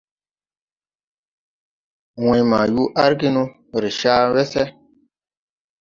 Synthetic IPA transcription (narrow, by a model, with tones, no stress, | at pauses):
wɛ̃˨i˦ma˨ju˦ʔa˦ɾki˦nũ˦ | ɾi˨ʃa˦wɛ˦sɛ˦